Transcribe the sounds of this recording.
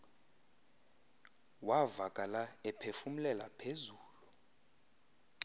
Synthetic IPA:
wavakʼalaɛpʰefum̩lɛla̰pʰezuːlu

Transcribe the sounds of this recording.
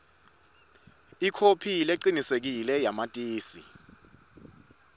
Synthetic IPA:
ikʰopʰileǃinisek̬ilɛjamatʼiːsḭ

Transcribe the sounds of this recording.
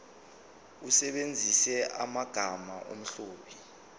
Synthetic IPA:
usɛɓend͡zʱisɛʔamaɡ̥ʱamaʔo̰m̩ɬoːɓʰi̥

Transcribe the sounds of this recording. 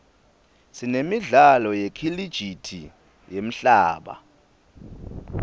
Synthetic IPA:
sinemiɮalɔjekʰilid̥ʒ̥ʱitʰi | jem̩ɬaːɓa̰

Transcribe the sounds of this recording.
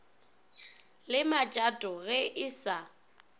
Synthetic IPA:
lɪmat͡ʃʼatʼɔɣɛʔɪsa

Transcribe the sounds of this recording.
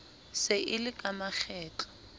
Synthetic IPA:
sɪʔɪlɪkʼamaχʰɛːt͡ɬḁ

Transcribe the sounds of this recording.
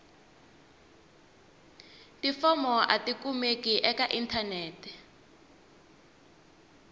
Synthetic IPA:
tifɔmɔʔatikumekiʔɛkaʔintʰaneːtʰɛ̥

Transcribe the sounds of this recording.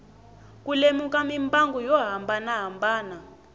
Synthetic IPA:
kulemukamimbaŋɡujɔɦambanaɦambaːna

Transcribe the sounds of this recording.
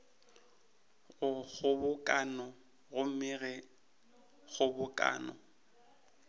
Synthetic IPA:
ɣʊɣʊbʊkʼanɔ | ɣʊm̩mɪɣɛ | ɣʊbʊkʼa̰ːnɔ̰

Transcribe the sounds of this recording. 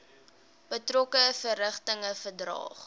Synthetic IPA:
b̥ətrɔkəfəɾəχtəŋəfərdrɑ̰ːχ

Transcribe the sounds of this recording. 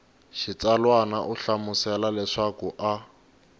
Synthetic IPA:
ʃit͡salwanaʔʊɬamʊsɛlalɛʂakʊʔa

